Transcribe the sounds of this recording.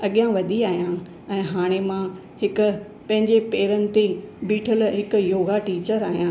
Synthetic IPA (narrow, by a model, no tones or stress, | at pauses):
ɐɠijãʋɐd̪ʱiaːɦijã | ɛ̃ːɦaːɽ̃emã | hɪkʊ̆ | pɐ̃ɦɪ̃ɲd͡ʑepeːɾənɪ̆t̪ebiːʈʰəlɦɪkʊjoːɡaʈiːt͡ɕəɾaːɦijã